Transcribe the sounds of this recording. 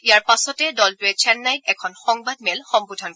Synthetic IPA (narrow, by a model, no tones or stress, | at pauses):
ijaɹpasɔtɛdɔlpuɛt͡ʃʰɛnnajt̚ɛkʰɔnxɔŋbad̚mɛlxɔmbudʱɔnk